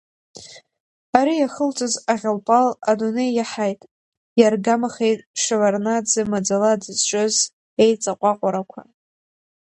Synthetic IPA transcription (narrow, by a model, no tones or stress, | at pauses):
aɾijaχəlt͡sʷʼozaʁʲalpʼaladune̞jːaħajtʼ | jarɡamaχejtʼʂavarnad͡zɨmad͡zaladɨzt͡ʃʷʼɨz | ejt͡sʼaqʷʼaqʷʼaɾakʷʰa̰